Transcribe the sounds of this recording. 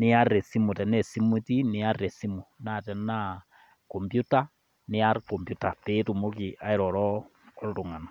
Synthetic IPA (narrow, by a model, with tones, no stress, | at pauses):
ni˦a˦ɾe˨si˦mu˨tɛ˨ne˦si˦muti˦ni˦a˦ɾe˨si˦muna˨te˨na˦ | ko˨mpju˦ta˦ | ni˦a˦ɾkompjuta˨pe˦tu˨mo˦ki˨ʔa˦i˦ɾɔɾɔː˦ | ɾutu˨ŋa˨no˨